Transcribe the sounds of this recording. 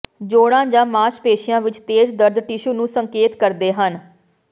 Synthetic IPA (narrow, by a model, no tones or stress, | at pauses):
d͡ʒoːɽãːd͡ʒãːmaːʃpeːʃɪjãːʋɪt͡ʃt̪eːd͡ʒd̪əɾd̪ʈɪʃuːnũːsəŋkeːt̪kəɾd̪eːɦən